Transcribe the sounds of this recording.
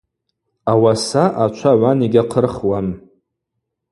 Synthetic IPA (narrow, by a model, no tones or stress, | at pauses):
awasaʔat͡ʃʷʰaʕʷaniɡʲaqʰərχwan